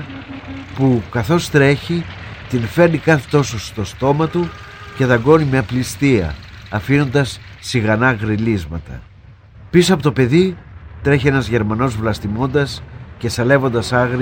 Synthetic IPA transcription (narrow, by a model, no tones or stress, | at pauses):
pukɐθo̞st̪ɾe̞çit̪infe̞ɾnikɐθe̥t̪o̞sost̪o̞st̪o̞mɐt̪u | ce̞ðɐɡo̞nimeɐplist̪iɐ̰ɐfino̞nd̪ɐsː | iɣɐnɐɣɾilizmɐt̪ɐ̰ | pisoɐpo̞t̪ope̞ðit̪ɾe̞çie̞nɐzʝe̞ɾmɐno̞zvlɐst̪imo̞nd̪ɐsce̞sɐle̞vo̞nd̪ɐsɐɣɾ